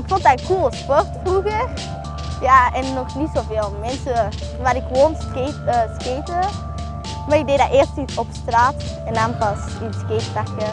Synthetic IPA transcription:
ɪkfɔntdaːkulˠspɔrtfruɣə | jaːɛnːɔxnitsoːveːlˠmɛnsə | ʋaːɾɪkʋoːnsketəskeːtə | maːrɪk̚dejdaːʔeːrstisɔpstraːt | ɛndanpɑs | iskeːtpakə

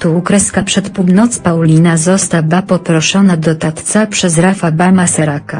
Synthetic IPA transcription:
t̪ukɾɛskapʂɛt̪puwnɔt̪spawlʲinazɔst̪abapɔpɾɔʂɔnad̪ɔt̪at̪t̪sapʂɛzɾafabamasaɾaka

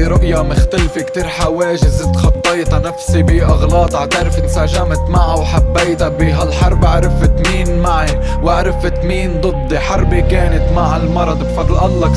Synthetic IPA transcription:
ɾʊʔjamɪxt̪alfekt̪iːɾħaweːʒɪzt̪xɑt̪ˤːɑjt̪ɑnafsibiʔɑɣlɑːt̪ˤaʕt̪aɾɪfɪt̪saʒamt̪maʕawħabːeːt̪abiɦalħɑɾˤbʔaʕɾɪfɪt̪miːnmaʕi | waʕɾɪfɪt̪miːnd̪ˤɨd̪ˤːiħɑɾˤbikeːnɪt̪maʕɪlmɑɾˤɑd̪ˤbfɑd̪lʔalːɑk

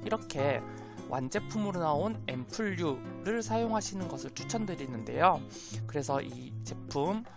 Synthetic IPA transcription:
iɾʌkʰe̞ | wʔa̰nd͡ʑe̞pʰumɯɾonaone̞mpʰuʎːuɾɯɭsʰajoŋɦaɕʰinɯnɡʌsʰɯɭt͡ɕʰu̥t͡ɕʰʌndɯɾinɯnde̞̰jo | kɯɾe̞sʰʌʔi | t͡ɕe̞pʰum

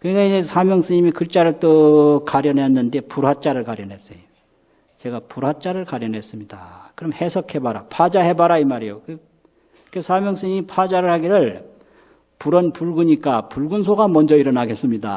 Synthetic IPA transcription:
kɯnaiesʰamjʌŋs͈ɯɲimikɯt͡ɕ͈aɾɯɭt͈okaɾjʌnɦenːɯnde̞puɾwat͡ɕ͈aɾɯɭkaɾjʌnɦe̞s͈ejo | t͡ɕe̞ɡapuɾwat͡ɕ͈aɾɯɭkaɾjʌnɦe̞s͈ɯmɲida̰kɯɾʌmhe̞sʰʌkʰe̞baɾa̰pʰad͡ʑaɦe̞baɾaimaɾijokɯ | kesʰamjʌŋs͈ɯɲimipʰad͡ʑaɾɯɭhaɡiɾɯɭ | puɾʌnpuɭɡuɲik͈apuɭɡunsʰoɡamʌnd͡ʑʌiɾʌnaɡe̞s͈ɯmɲida̰

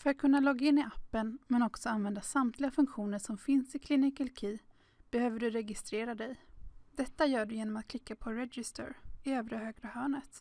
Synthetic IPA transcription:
fœɾat̪̚kʰɵnːalɔɡːaɪnːɪʔapːənmɛnɔksɔanvɛnd̪asamt̪ʰlɪɡafɵŋkɧuːnəʂɔmfɪnsɪkʰlɪnɪkɛlkʰiː | b̥ɛhøːvəɖɵɾɛɡɪst̪ɾeːɾad̪ɛjd̪̥ɛt̪ːajœːɖɵjeːnɔmat̪̚kʰlɪkːapʰɔɾɛɡɪst̪ə̰ɾɪøːvɾəhøːɡɾahœːɳət̪

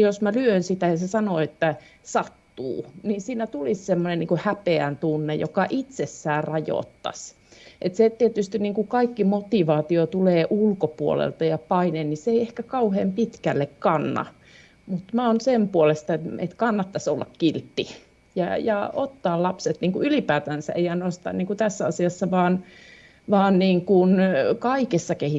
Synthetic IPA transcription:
josmælyønsit̪æjɑsesɑnoːet̪ːæ | sɑt̪ːṵːninsiːnæt̪ulissemːonenniŋkuhæpeænt̪unːḛjo̰kɑʔit̪sesːæːrɑjo̰t̪ːɑ̰s | ʔet̪set̪iet̪yst̪inniŋkukɑikːimot̪iˑʋɑːt̪iot̪uleːʔulkopuo̰lḛlt̪ɑjɑpɑineːnniseeiehkækɑuheːmpit̪kælːekkɑnːɑ̰ | mut̪mæonsempuolest̪ɑet̪ḛt̪kɑnːɑt̪ːɑsolːɑ̰kkilt̪ːi | jɑ̰jɑ̰ot̪ːɑːlɑpset̪niːŋkuʔylipæːt̪ænsæ̰eijænost̪ɑ̰nniːŋkut̪æsːæɑsiɑsːɑʋɑːn | ʋɑːnniːŋkunkɑikesːɑkehi

